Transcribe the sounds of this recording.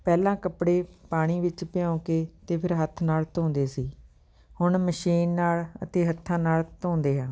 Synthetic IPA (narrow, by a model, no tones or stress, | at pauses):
pɛːlãːkəpɽeːpaːɽ̃iːʋɪt͡ʃpɪjãːkeːt̪eːpʰɪɾɦət̪ʰːnaːlt̪õːnd̪eːsiː | hʊɳməʃiːnːaːlət̪eːɦət̪ʰːãːnaːlt̪õːnd̪eːɦãː